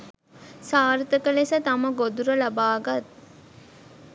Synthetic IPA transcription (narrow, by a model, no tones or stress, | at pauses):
saːɾt̪əkəlesət̪aməɡod̪uɾəlabaːɡat̪̚